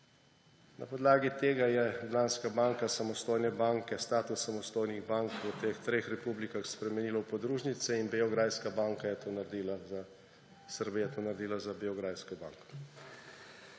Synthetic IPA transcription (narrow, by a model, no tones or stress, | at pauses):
na̰pɔd̪laːɡit̪eːɡajɛd̪laːnskabaːŋkasamɔst̪oːjnɛbaːŋkɛst̪aːt̪usːamɔst̪oːjniɣbaŋkʋət̪ext̪ɾeːxɾɛpublikaxspɾɛmɛniːlawpɔd̪ɾuːʒnit̪sɛinbeɔɡɾaːjskabaːŋkajɛt̪oːnaɾd̪ila | səɾbijɛt̪oːnaɾd̪iːlazabiɔɡɾaːjskɔbaːŋkɔ̥